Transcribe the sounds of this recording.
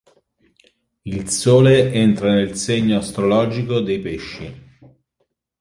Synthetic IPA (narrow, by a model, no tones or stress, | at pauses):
ilsoːleent̪ɾanelseɲːoast̪ɾolɔːd͡ʒikod̪ejpeʃːi